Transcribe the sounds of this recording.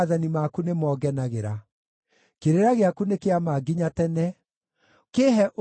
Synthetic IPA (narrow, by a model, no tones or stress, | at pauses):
ðanimakunemɔːɡɛnaɣeɾa | keɾeɾaɣeakunekeamaːɡiɲatɛnɛ | keɦɛʔo